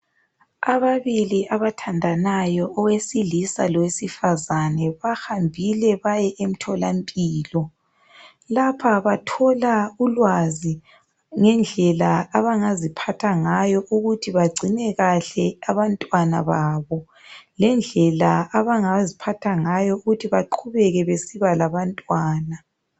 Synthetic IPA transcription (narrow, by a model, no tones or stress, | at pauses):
aβaβiliʔaβatʰandʱanajɔɔwesilisalɔwesifazanɛβaxambʱilɛβajɛʔem̩tʰɔlampʼiːlɔ | lapʰaβatʰɔlaulwazi | ŋɛnd͡ɮʱɛlaːβaŋazipʰatʰaŋajɔʔuɣutʰiβaɡ͡ǀʱinɛɣaɬɛaβantʼwana̰βaːβɔ | lɛnd͡ɮʱɛlaːβaŋazipʰatʰaŋajɔuɣutʰiβaǃʰuβɛɣɛβesiβalaβantʼwaːna